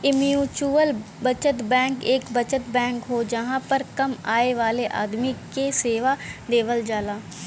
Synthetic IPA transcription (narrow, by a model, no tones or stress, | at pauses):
ɪmijuːt͡ʃuːəl | bət͡ʃət̪bɛ̃ːŋkɪkbət͡ʃət̪bɛ̃ːŋkɦoːd͡ʒəɦãːpəɾkəmaːeːʋaːleːʔa̰ːd̪miːkeːseːʋaːd̪eːʋəld͡ʒaːlaː